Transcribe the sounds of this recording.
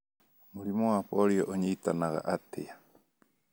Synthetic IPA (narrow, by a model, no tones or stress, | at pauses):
mulimɔwapɔɾiɔʔuɲiːt̪anaɣa̰ʔat̪ʰḛja